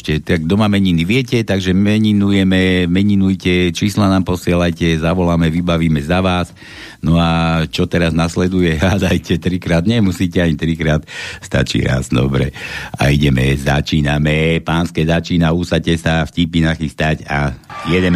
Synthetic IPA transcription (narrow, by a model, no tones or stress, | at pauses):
ʃcɛt̪aɡd̪ɔmamɛɲiniʋɪɛcɛt̪aɡʒɛmɛɲinujɛmɛmɛɲinujcɛt͡ʃiːslanaːmpɔsɪɛlajcɛzaʋɔlamɛʋibaʋiːmɛzaʋaːs | nɔat͡ʃɔt̪ɛɾaznaslɛd̪ujɛɦad̪ajcɛt̪ɾikɾaːd̪ɲɛmusiːcɛaɲit̪ɾikɾaːt̪st̪a̰t͡ʃḭːɾa̰zd̪ɔ̰bɾɛ̰a̰iɟɛmɛza̰t͡ʃiːnamɛpaːnskɛzat͡ʃiːnausacɛsafcipinaxist̪acajɛd̪ɛ